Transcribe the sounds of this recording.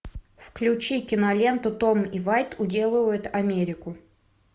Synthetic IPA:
fklʲʉt͡ɕikʲɪnɐlʲe̞nt̪ʊt̪omivajt̪ʰʊdʲe̞lˠɨvəjʊt̪ɐmʲeɾʲɪkʊ

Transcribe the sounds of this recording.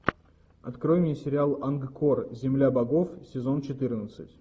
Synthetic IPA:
ɐt̪kɾojɪmjəsʲɪɾʲɪalˠanɡkorzʲɪmlʲabɐɡo̞fsʲɪzo̞nt͡ɕɪt̪ɨrnət̪sɨtʲ

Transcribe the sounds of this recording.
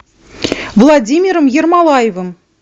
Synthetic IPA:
vlˠadʲimʲiɾəmjermɑlˠɑjevəm

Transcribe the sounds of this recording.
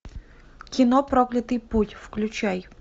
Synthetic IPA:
kʲɪnopɾoklʲɪt̪ɨjputʲfklʲʉt͡ɕaj

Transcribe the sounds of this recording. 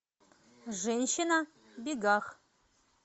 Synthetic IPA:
ʐɛnʲʃɪna | beɡaχ

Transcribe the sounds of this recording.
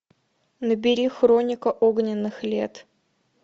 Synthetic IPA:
nəbʲɪɾʲixɾonʲɪkəʔoɡnʲɪnːɨxlʲet̪

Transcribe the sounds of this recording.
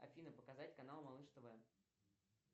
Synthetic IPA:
ɐ̰fʲinəpəkɐzatʲkɐnalˠmɐlˠɨʂt̪ovɛ

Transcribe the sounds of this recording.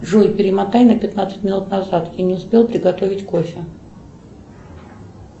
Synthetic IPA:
ʐojʲpʲɪɾʲɪmɐt̪ajʲnəpʲɪt̪nat̪sɨ̥tʲmʲɪnut̪nɐzat̪janʲɪʊspʲe̞lˠpɾʲɪɡɐt̪o̞vʲɪtʲkofʲɪ

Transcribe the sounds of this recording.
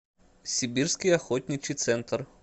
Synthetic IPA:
sʲibʲiɾskʲijɐxɔt̪ʲnʲit͡ʃit̪sɛnt̪əɾ

